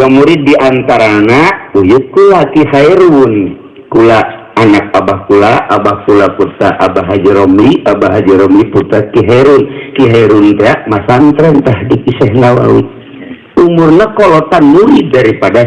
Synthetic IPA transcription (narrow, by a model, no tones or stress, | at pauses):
ɡamuɾit̪̚diʔant̪aɾanaujut̪̚kulakihajɾun | kulaː | nak̚abahkulaʔabahkulapurt̪aʔabaɦad͡ʒɛɾɔmliabaɦad͡ʒɛɾɔmliput̪akiɦaɛɾunkiɦaiɾunt̪ɛaʔmasant̪ɾɛnt̪ahdikisɛɦnawa̰wḭt̪̚ | umurnakɔlɔt̪anmuɾit̪̚daɾipada